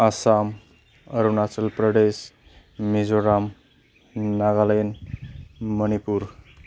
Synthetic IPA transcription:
asam | əɾunat͡səlpɾəɖes | mid͡zoɾamː | aɡaləjn | mənipuɾ

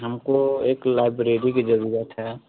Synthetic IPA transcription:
ɦəmkoeːklaːɪbɾeːɾikid͡ʒɐɾuːɾət̪ɦɛ

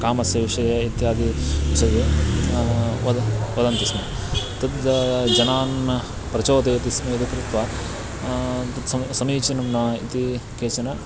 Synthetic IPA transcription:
kaːmɐsjɐʋiʂɐjɐit̪jaːd̪iʋiʃɐd̪e | ʋɐd̪ʋɐd̪ɐnt̪isme | t̪ɐt̪d͡ʒɐnaːn | pɾɐt͡ʃɐːt̪ɐjɐt̪ismeɐd̪ikɾit̪ʋɐ | t̪ɐt̪sɐmsɐmiːt͡ʃinɐmnaːḭt̪ikeːt͡ʃɐnɐ

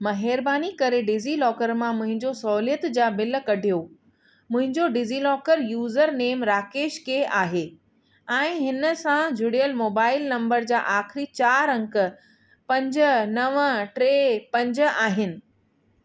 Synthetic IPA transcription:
mɐɦeːɾbaːnikɐɾeɖɪzilɔːkəɾmãmʊ̃ɦɪ̃ɲd͡ʑosɔːlijət̪d͡ʑaːbɪlkɐɖʱijo | mʊ̃ɦɪ̃ɲd͡ʑoɖɪzilɔːkəɾjuːzəɾneːmɾaːkeːʃkeaːɦeː | ɛ̃ːɦɪnəsãd͡ʑʱʊɽijəlmoːbaːɪlnɐ̃mbəɾd͡ʑa̰ːʔaːxɪɾit͡ɕaːɾɐ̃ŋkə̆ | pɐ̃ɲd͡ʑənɐʋʈɾeːpɐ̃ɲd͡ʑ̆aːɦɪnɪ̆

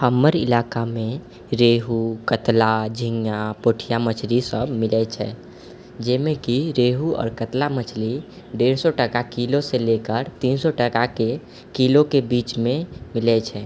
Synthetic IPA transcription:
həmːəɾḭlakamẽ | ɾeɦukət̪lad͡ʒʱĩŋjapoʈʰijamət͡ʃʰlisəbmilɛt͡ʃʰɛ | d͡ʒɛːmekiɾeɦuɔ̰ːɾkət̪lamət͡ʃʰli | ɖeɾsɔʈəkakiloselekəɾt̪insɔʈəkake | kilokebit͡ʃmẽmilɛt͡ʃʰɛ

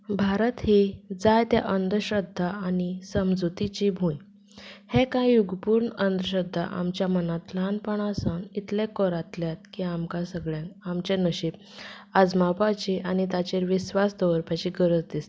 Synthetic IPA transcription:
bʱaɾət̪hid͡zajt̪ja̰ʔənd̪ʱəɕəd̪ʱːaanisəmd͡zut̪it͡ɕibʱũj | hẽkãjuɡpuːɾɳənd̪əɕəd̪ʱːa̰ʔa̰mt͡ɕjamənat̪lanpəɳasənit̪lẽkɔɾat̪ljat̪̚kiamkasəɡɭjãnamt͡ɕẽnəɕip̚ | ad͡zmapat͡ɕiʔanit̪at͡ɕeɾʋisʋasd̪ɔʋəɾpjat͡ɕiɡəɾət͡sd̪ist̪e̥

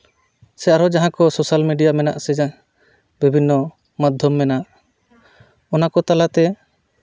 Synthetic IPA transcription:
sɛaɾɔd͡ʒaɦãkɔsosalmiɖijamɛna̰ʔsɛd͡ʒa | bibʱinːɔ | mad̪ʱjɔmːɛnaʔ | ɔnakɔt̪alat̪ɛ

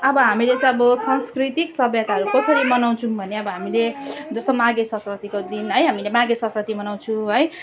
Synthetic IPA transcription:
ʌbʌɦamilesʌʌbʌsanskrit̪iksʌbjʌt̪aɦʌɾukʌsʌɾimʌnaw̃t͡sʰũbʱʌneʌbʌɦamiled͡zʌst̪omaɡesʌkʰrʌt̪ikod̪inɦʌjɦamilemaɡesʌkʰrʌt̪imʌnaw̃t͡sʰũɦʌj

